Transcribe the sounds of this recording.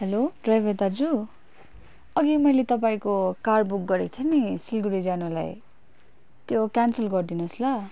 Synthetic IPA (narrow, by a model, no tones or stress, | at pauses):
ɦeloɖrajbʱed̪ad͡zu | ʌɡimʌjlet̪ʌp̬aĩkokarbuk̚ɡʌɾekt̪ʰenisilɡuɾid͡zanula̰j | t̪jokansʌlɡʌrd̪inuslʌ